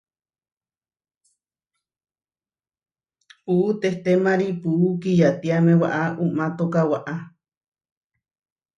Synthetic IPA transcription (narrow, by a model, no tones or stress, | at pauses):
puʔut̪eht̪emaɾipuːkijat̪iamẽwa̰ʔaʔumat̪okawaʔa